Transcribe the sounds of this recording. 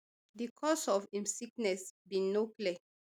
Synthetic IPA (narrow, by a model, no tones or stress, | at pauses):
dikʰɔsɔfĩmsiknɛsbĩnːokliɛ